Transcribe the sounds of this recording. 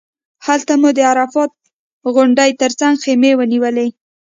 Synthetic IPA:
halt̪amud̪əaɾafɑt̪̚ | ɣʊɳɖəjt̪əɾt͡saŋɡxemewəniwəle

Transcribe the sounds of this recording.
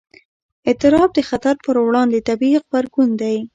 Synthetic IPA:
ɪt̪ɪɾɑb̚d̪əxat̪aɾpəɾwɽɑnd̪et̪abiq̚baɾɡund̪aj

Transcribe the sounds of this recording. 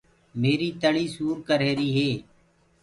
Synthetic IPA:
meːɾiːt̪əɭiːsuːɾkəɾeːɾiːɦeː

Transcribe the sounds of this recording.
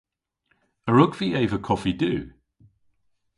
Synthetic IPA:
əɹʊɡv̥ieɪvəkʰɒfidʉː

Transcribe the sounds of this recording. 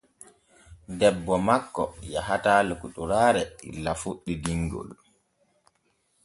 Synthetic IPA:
dɛbːɔmakːɔjaɦataːlukuɗuɾaːɾɛḭlːafuɗːidiŋɡɔ̰l

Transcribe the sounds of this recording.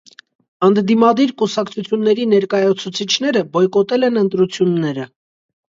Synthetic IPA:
ənd̪d̪imɑd̪iɾkusɑkt͡sʰut͡sʰjunːɛɾinɛɾkɑjɑt͡sʰut͡sʰit͡ʃʰn̪ɛɾəbɔjkɔt̪ɛlɛnənt̪ɾut͡sʰjunːɛɾə

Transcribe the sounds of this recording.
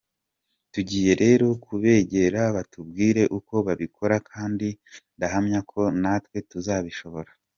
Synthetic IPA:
tuɟiːje̞ɾe̞ːɾo̞kʰuβe̞ːɟe̞ɾaβatub̚ɡiːɾe̞ʔuko̞βaβikʰo̞ɾakʰaːndindaɦamɲakʰo̞natwe̞tuzaːβiʃo̞βo̞ɾa

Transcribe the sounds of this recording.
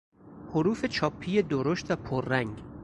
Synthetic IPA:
hoɾuːfe̞t͡ʃʰɒːpʰːiːje̞d̪oɾoʃt̪væpʰoɾːæŋɟ

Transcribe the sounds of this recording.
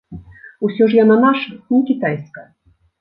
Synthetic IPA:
usʲɔʐjananaʂɐnʲikʲit̪ajskɐ

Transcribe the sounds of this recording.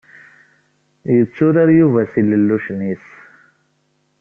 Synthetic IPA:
jut͡suɾɐɾjuvɐsililuʂnis

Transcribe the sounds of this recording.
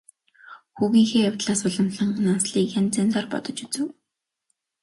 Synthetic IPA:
xuːɣiːŋxeːjawʲt̪ɮaːsʊɮə̆mɮə̆ɴɢnansɮiːkjant͡sant͡sɔːrpɔ̰t̪ɞ̆t͡ɕut͡sɘ̆w

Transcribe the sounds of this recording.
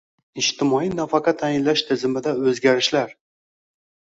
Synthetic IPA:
ɪʃt̪ɪmɒinafaqʰɑt̪ʰajɪnlaʃt̪ʰɪzɪmɪd̪aɵzɡʲaɾɪʃlaɾ

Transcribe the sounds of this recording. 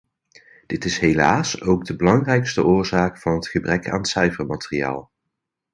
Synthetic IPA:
d̥ɪtɪsɦelaːsowɡ̚dəbəlɑŋrɛjkstəʔʊːɹzaːkfɑnɦətχəbrɛkʰa̰ːnəsœɥfəɹmaːteria̰ːlˠ

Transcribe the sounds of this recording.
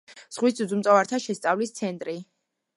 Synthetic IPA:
z̥ʁwisd̪ud̪zumt̪ʼɔvaɾt̪ʰaʃɛst̪sʼavlist̪sʰɛnt̪ʼɾi

